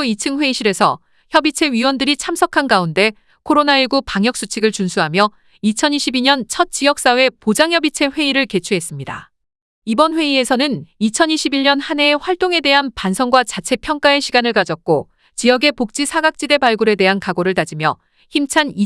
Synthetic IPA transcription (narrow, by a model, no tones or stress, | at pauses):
it͡ɕʰɯŋɸwe̞iɕʰiɾe̞sʰʌ̰ | çjʌbit͡ɕʰe̞ɥiwʌndɯɾit͡ɕʰamsʰʌkʰanɡaunde̞ | kʰoɾonaiɭɡupaŋjʌk̚s͈ut͡ɕʰiɡɯɭt͡ɕunsʰuɦamjʌ | it͡ɕʰʌniɕʰibiɲʌnt͡ɕʰʌt̚t͡ɕ͈ijʌk̚s͈awe̞pod͡ʑaŋjʌbit͡ɕʰe̞ɸwe̞iɾɯɭke̞t͡ɕʰuɦe̞s͈ɯmɲida̰ | ibʌnɸwe̞iesʰʌnɯnit͡ɕʰʌniɕʰibiɭɲʌnhane̞ɸwaɭt͈oŋe̞de̞ɦanpansʰʌŋɡwat͡ɕat͡ɕʰe̞pʰjʌŋk͈ae̞ɕʰiɡanɯɭkad͡ʑʌt̚k͈o | t͡ɕijʌɡe̞pok̚t͡ɕ͈isʰaɡak̚t͡ɕ͈ide̞baɭɡuɾe̞de̞ɦankaɡoɾɯɭtad͡ʑimjʌ | çimt͡ɕʰani